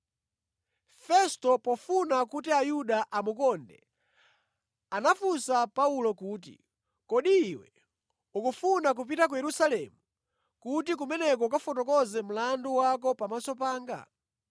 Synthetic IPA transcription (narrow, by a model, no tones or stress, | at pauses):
fɛstɔpɔfunakutiajuɗaʔamukɔndɛ | anafusapaulɔkuːt̬ḭ | kɔɗiːwɛ̰ | ukufunak̬up̬itak̬ujɛɾusalɛmu | kut̬ikumɛnɛk̬ɔkafɔtɔkɔzɛm̩landuwakɔpamasɔpaːŋɡa̰